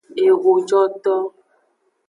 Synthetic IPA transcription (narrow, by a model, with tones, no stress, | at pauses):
e˨ɣo˨d͡ʒɔ˦t̪ɔ˦